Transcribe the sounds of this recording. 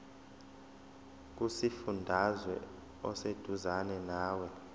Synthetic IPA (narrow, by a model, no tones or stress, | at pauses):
k̬ʼusifundʱazwɛ̰ | ɔsed̥ʱuzanɛnaːwɛ